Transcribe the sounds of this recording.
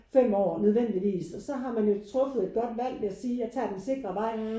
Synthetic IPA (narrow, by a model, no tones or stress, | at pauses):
fem̰ɒ̰ːnøð̞ˠʋen̰d̥iʋḭːsɒ̽sɒ̽ɦɑ̈mænjo̝t͡sʰʁɔ̽fð̩ˠe̝d̥̚ɡ̥ɒ̽d̥ʋæl̰ʋe̝æsiːæt͡sʰɛ̰ːd̥ense̝ɡ̥ʁɐʋɑ̈ɪ̰